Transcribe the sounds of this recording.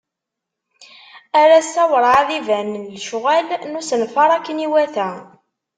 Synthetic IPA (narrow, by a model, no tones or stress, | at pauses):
æɾæsæwəɾˤaðivænnlʃʁælnusənfɑɾˤækːəniwæθæ